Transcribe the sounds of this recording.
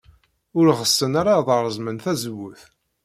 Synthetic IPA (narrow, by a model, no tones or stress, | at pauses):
ʊɾʁəsːənaɾaðˤəɾˤəzmənθæzwːʊθ